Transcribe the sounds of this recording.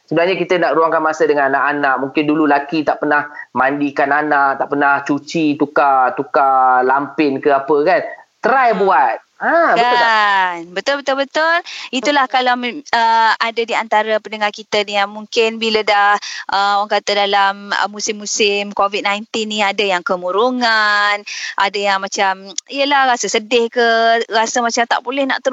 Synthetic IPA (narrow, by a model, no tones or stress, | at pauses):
səbənahɲakit̪ənaʔɾuaŋkanmasədəŋananaʔanaʔ̚muŋkɪndululakit̪aʔpənahmandikananaʔt̪aʔpənaht͡ʃut͡ʃit̪ukat̪ukalampɪnkəapəkant̪əɾajbuat̪̚abkəat̪ʊanbət̪ʊlbət̪ʊlbət̪ʊlit̪ulahkalawməadadiant̪aɾapəndəŋarkit̪əniaŋmuŋkɪnbilədahʔəoaŋkat̪adalamə̰mːusɪmːusɪmkovit̪̚najnt̪ɪnːĩadəjaŋkəmuɾuŋanʔadajaŋmat͡ʃamijəlahɾasəsədɪhkərasəmat͡ʃamt̪a̰ʔbolɛhna̰ʔt̪əɾ